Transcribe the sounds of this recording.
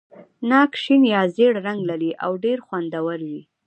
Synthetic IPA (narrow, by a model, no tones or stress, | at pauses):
nɑkʃinjɑzeɽɾaŋɡlaɾiʔa̰wɖeɾxwand̪awaɾwi